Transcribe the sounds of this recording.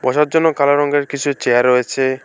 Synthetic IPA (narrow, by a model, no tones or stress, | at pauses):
bɔʃaɾd͡ʑonːokalaɾɔŋɡeɾkit͡ɕʰut͡ɕeaɾojet͡ɕʰe